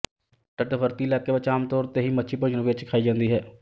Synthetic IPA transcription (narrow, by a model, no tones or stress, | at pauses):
ʈəʈbʱəɾt̪ilɛːkebət͡ʃaːmt̪ɔːɾt̪eɦimətːʃʰipəd͡ʒnəʋet͡ʃkʰaːid͡ʒãːnd̪iɦɛː